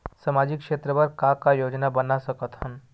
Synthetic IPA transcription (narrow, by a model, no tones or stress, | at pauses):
samad͡ʒikʃet̪ɾəbəɾkãkajod͡ʒnabənasəkət̪hən